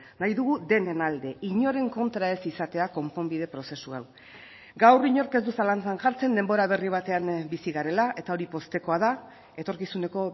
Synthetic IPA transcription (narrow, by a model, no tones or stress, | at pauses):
najðuɣud̪e̞nenald̪e̞ʔiɲo̞ɾe̞ŋko̞nt̪ɾae̞sisat̪e̞ako̞mpo̞mbið̞e̞pɾo̞se̞sua̰w | ɡawriɲo̞ɾke̞zd̪usalant͡sanʝaɾt͡se̞nd̪e̞mbo̞ɾaβ̞e̞riβ̞at̪e̞ambisiɣaɾe̞laʔe̞t̪ao̞ɾipo̞st̪e̞ko̞aða | e̞t̪o̞ɾkisune̞ko̞